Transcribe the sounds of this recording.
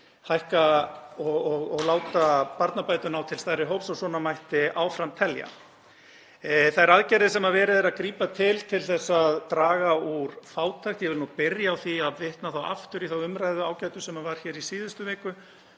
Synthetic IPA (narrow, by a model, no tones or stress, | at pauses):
hajhkaɔɔɣɔɣlaːwt̪apaɾt̪napaːjt̪ʏnawt̪ʰɪlst̪ajɾɪɦoːwpsasɔnamajht̪ɪʔawfɾamt̪ʰɛlja̰ | θajɛɾaðcɛɾɪsɛmavɛːɾɪðɛɾaðkɾiːpat̪ʰɪlt̪ʰɪlθɛsːaðt̪ɾaːɣauɾ̥faːwt̪ʰajxt̪jɛvɪlnupɪɾjaːwθiaðvɪht̪naθawa̰ft̪ʏɾiθawʏmɾajðʏaːwcajt̪ʏ̥sɛmavaɾ̥çɛːɾisiːðʏst̪ʏvɛːkʏ